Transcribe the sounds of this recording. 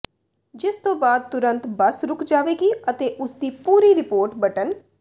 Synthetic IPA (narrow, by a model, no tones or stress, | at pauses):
d͡ʒɪst̪õːbaːd̪̚t̪ʊɾə̃nt̪bəsɾʊkʰd͡ʒaːʋeːɡiːət̪eːʔʊsd̪iːpuːɾiːɾɪpoːɾʈbəʈən